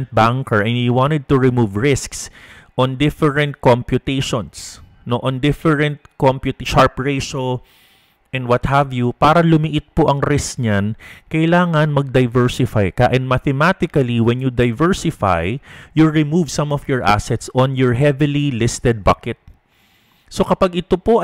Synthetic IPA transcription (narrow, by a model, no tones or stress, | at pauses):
nt̪̚baŋkɛɹʔɛ̃njuwɑ̃nt̪ɛd̪̚t̪ʊɹɪmuvɹɪsksʔɔ̃nd̪ɪfɛɹɛ̃nt̪̚kõmpjʊt̪ejʃɔ̃ns | noʔɔ̃nd̪ɪfɛɹɛ̃nt̪̚kompjʊt̪iʃaɹpɹeʃo | ʔɛ̃nd̪wɐt̪̚havjupaːɾɐlʊmiʔɪt̪̚poʔɐŋɾɪskɲankɐjɪlaːŋɐnmɐɡ̚d̪ɐjvɛɹsɪfajkɐʔɛ̃nd̪mat̪ɛmat̪ɪkɐliwɛnjud̪ɐjvɛɹsɪfa̰jjuɹɪmuvsɐ̃mɔfjɔɹʔa̰sɛt̪sɔ̃njɔɹɦɛvɪlilɪst̪ɛd̪̚bɐkɛt̪̚ | so̞kɐpaɡʔɪt̪opo